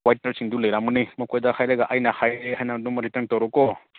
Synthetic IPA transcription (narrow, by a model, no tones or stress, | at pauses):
wajtaɾsiŋduləjɾamɯnimɔkɔjdaxʰajɾaɡaʔajnaxajhajnadumɔɾitəɾntɔɾɔkɔ